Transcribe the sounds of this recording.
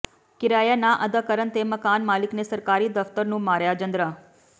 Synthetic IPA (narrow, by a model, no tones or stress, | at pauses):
kɪɾajanaʔəd̪əkəɾənt̪eməkanmaːliknesəɾkaɾid̪əft̪əɾnũmaɾjad͡ʒə̃nd̪ɾa